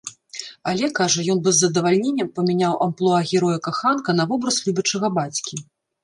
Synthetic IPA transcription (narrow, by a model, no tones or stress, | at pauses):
ɐlʲɛkaʐɐjɔnbɨzːɐd̪ɐvalʲnʲenʲːɐmpɐmʲinʲawʔɐmplˠɔaɣʲɛɾɔjɛkaxankɐnɐvɔbɾɐslʲubʲɐt͡ʂɐɣɐbat͡sʲkʲi